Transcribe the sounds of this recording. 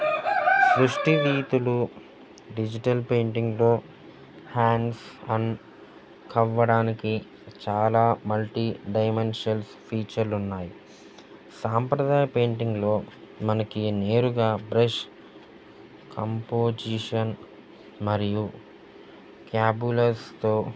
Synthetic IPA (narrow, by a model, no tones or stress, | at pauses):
sɾuʂʈiʋiːt̪ulu | ɖid͡ʒiʈɐlpe̞ːɳʈiŋɡlo̞ː | haːnsɐn | kʰɐʋːɐɽaːniki | t͡ʃaːlaːmɐlʈiɖɐjmenʂiɐls | pʰiːt͡ʃɐɾlunːaːji | saːmpɾɐd̪aːjɐpe̞ːɳʈiŋɡlo̞ːmɐnɐkine̞ːɾuɡaːbɾeʃ | kʰɐmpoːd͡ʒiʂɐn | mɐɾiju | kjaːbulɐɾst̪o̞ː